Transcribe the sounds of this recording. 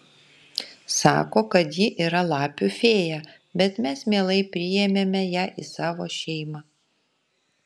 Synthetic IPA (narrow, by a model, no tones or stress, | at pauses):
sɑ̰ːkoːkɐt̪jiʔiːɾɐlˠɑːpʲʊfʲeːjæː | bʲɛt̪mʲɛsmʲeːlˠɐɪpʲɾʲɪjɛmʲeːmʲɛjæːʔisɑːʋoːʃʲɛɪmɑ